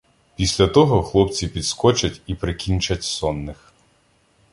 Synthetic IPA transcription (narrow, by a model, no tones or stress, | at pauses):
pʲisʲlʲɐt̪ɔɦɔxlˠɔpt͡sʲipʲid̪skɔt͡ʃɐtʲipɾɪkʲinʲt͡ʃɐtʲsɔnːɪx